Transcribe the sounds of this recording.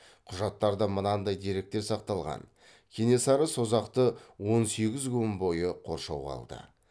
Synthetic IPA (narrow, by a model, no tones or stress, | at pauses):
qʰʊʒɑt̪ːɑɾd̪əmənɑnd̪ɑjd̪e̞ɾe̞k̚t̪e̞ɾsɑqt̪ɑlˠʁɑ̰n | kʲʰene̞sɑɾəsozɑqt̪əwo̞nse̞ɡʲɪzɡumbo̞jəqʰo̞̰ɾʃɑwʁɑ̰lˠd̪ə̰